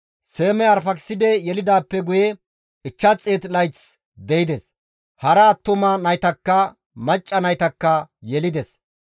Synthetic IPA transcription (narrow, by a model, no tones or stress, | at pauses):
se̞ːmɛɐɾfɐksɪd̪ɛjɛlɪd̪aːpːɛɡʊjɛ | ɪt͡ʃːɐt͡sʼeːt̪lɐjt͡s | d̪ɛjɪd̪ɛs | hɐɾɐːt̪ːʊmɐnɐjt̪ɐkːɐ | mɐt͡ʃʼːɐnɐjt̪ɐkːɐjɛlɪd̪ɛs